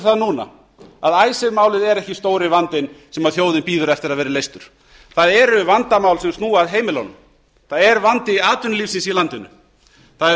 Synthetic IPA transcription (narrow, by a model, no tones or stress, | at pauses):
θaðnuːna̰ | aðaːjsɪɾmaːwlɪðɛɾɛhcɪst̪oːwɾɪvant̪ɪnsɛmaðθjoːwðɪnpiːðʏɾɛft̪ɪɾaðvɛːɾɪlejst̪ʏɾ̥ | θaðɛɾʏvant̪amaːwlsɛmst̪nuːaðɦeːjmɪlo̰wnʏm | θaðɛɾvant̪ɪiaːt̪ʏnliːfsɪnsilant̪ɪnʏ̰ | θað